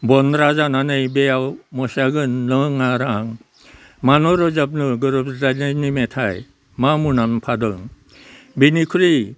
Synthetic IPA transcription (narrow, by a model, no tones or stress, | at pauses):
bɔnɾazananɯjbejawmɔsaɡɯnlɯŋaɾaŋ | manɔɾɔzap̚nɯɡɯɾɔbɾananimetʰaj | mamunanpʰadɯŋ | binikʰɯɾi